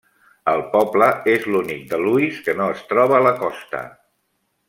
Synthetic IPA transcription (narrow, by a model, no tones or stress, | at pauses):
əlˠpɔbləezlunik̚d̪əluiskənoəst̪ɾɔβəːləkɔst̪ə̰